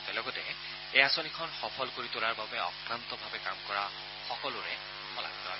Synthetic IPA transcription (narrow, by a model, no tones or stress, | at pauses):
tɛlɔɡɔtɛ | ejasɔnikʰɔnxɔpʰɔlkoɹitʊlaɹbabɛɔ̰kɹant̪ɔbʱabɛkamkɔɹa | xɔkɔlʊɹɛ̰ | xʰɔla̰k̚tʰɔɹɔ̰j